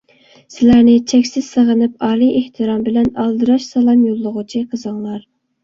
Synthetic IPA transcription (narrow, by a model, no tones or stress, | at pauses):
sɪlæɾnɪt͡ʃʰɛkʲsɪz̥səʁənɨp̚ɑlijeht̪ʰɨɾɑmbɪlɛnɑlˠd̪ɨɾɑʃsɑlˠɑmjolˠːʊʁʊt͡ʃʰiqʰəzɨŋlˠɑɾ